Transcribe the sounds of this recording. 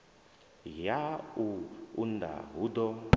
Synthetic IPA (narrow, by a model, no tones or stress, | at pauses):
jauunda̰ɦud̪ɔ